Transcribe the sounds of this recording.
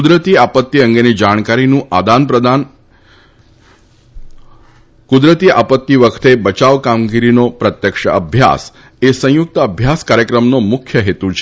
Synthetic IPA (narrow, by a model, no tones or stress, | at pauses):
kd̪ɾət̪iapət̪ːiəŋɡenid͡ʒaɳ̃kaɾinũʔad̪anpɾəd̪an | kud̪ɾət̪iapət̪ːiʋəkʰt̪ebət͡ʃaʋkamɡiɾinopɾət̪jəkʂəə̰bʱja̰s | esə̃jʊk̚t̪əəbʱjaskaɾjəkɾəmnomʊkʰjəɦet̪ut͡ʃʰe